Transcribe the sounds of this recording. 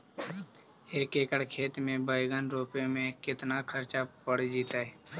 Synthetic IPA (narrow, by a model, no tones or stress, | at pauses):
eːkeːkəɽkʰeːt̪mẽbəjɡənɾoːpemẽkɪt̪nakʰəɾt͡ʃapəɽd͡ʒiːt̪aɦɛː